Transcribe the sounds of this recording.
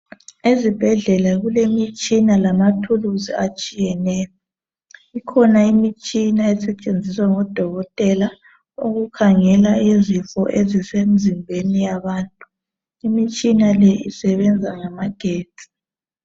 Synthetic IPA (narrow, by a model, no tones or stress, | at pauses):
ezib̥ʱɛɮɛlaɣulemit͡ʃʼinalamatʰuluziat͡ʃʼijɛnɛːjɔ | ikʰɔnaimit͡ʃʼinaɛsɛt͡ʃʼend͡zʱiswaŋɔd̥ʱɔɣɔtʼɛla | oɣukʰaŋɛlaizifɔʔezisem̩zimbʱenijaβaːntʼu | imit͡ʃʼinalɛʔḭsɛβɛnd͡zʱaŋamaɡ̥ʱeːtʼi̥